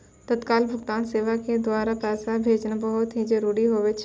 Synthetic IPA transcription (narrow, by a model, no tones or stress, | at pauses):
t̪ɐt̪kaːlbʱʊkt̪aːnseːʋaked̪ʊaːɾapɛːsabʱeːd͡ʒnbɐɦʊt̪ɦid͡ʒəɾuːɽiɦoːʋɪt͡ʃ